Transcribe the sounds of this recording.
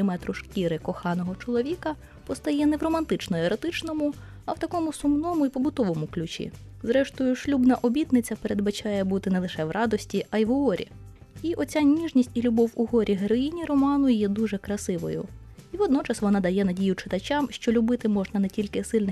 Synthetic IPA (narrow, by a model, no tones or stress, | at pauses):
ɪmɛt̪ɾʊʃkʲiɾɪkɔxɑnɔɦɔt͡ʃɔlˠɔʋʲikɐ | pɔst̪ɐjɛnɛwrɔmɐnt̪ɪt͡ʃnɔeɾɔt̪ɪt͡ʃnɔmʊ | ɐwt̪ɐkɔmʊsʊmnɔmʊipɔbʊt̪ɔʋɔmʊklʲʊt͡ʃʲḭ | zɾɛʃt̪ɔjʊʃlʲubnɐʔɔbʲit̪nɪt͡sʲːɐpeɾe̞d̪bɐt͡ʃɑjɛbut̪ɪnɛlˠɪʃɛʋrʔɑd̪ɔsʲtʲiʔɐjiʋɦɔɾʲḭiʔɔt͡sʲanʲiʒnʲisʲtʲilʲʊbɔwuɦɔɾʲʔiɦeɾɔinʲiɾɔmɑnʊjɛd̪uʒɛkɾɐsɪʋɔ̰jʊ̰iʋɔd̪nɔt͡ʃɐsʋɔnɑd̪ɐjɛnɐdʲijʊt͡ʃɪt̪ɐt͡ʃʲɑmʃt͡ʃɔlʲʊbɪt̪ɪmɔʒnɐnɛtʲilʲkɪsɪlʲnɪ